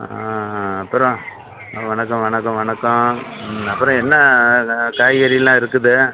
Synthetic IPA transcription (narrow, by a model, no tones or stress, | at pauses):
aɐpːɯɾɔ̃ | ʋɐɳɐkːɐ̃ʋɐɳɐkːɐ̃ʋɐɳɐkːɐ̃ | ɐpːɯɾɔ̃ɛnːɐ | kaːjɣɐɾɪjlãːɪɾɯkːɯðɯ